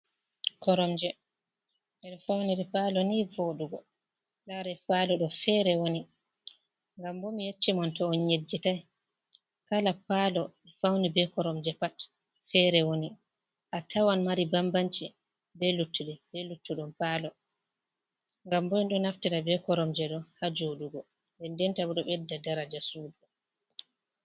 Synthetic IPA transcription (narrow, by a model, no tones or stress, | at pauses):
kɔɾɔmd͡ʒɛ | ɛɗɔfawniɾipaːlɔniːvoɗuɡɔ | laɾɛpalɔɗɔfɛːɾɛwoni | ŋɡambɔmijet͡ʃːimɔntɔːnɲed͡ʒːitaj | kalapalɔifawnibɛkɔɾɔmd͡ʒɛpat | fɛɾɛwoni | ʔatawanmaɾibambant͡ʃi | bɛlutːuɗɛbɛlutːuɗɔmpaːlɔ | ŋɡambɔɗɔnaftiɾabɛkɔɾɔmd͡ʒɛɗɔhad͡ʒoɗuɡɔ | bɛndɛntabuɗɔɓɛdːadaɾad͡ʒasuːd͡ʒɔ